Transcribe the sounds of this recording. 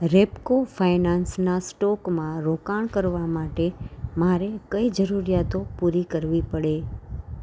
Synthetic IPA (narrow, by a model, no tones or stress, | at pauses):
ɾepkofʰainansnasʈɔkmãɾokaɳ̃kəɾʋamaʈemaɾekəid͡ʒəɾuɾijat̪opuɾikəɾʋipəɽe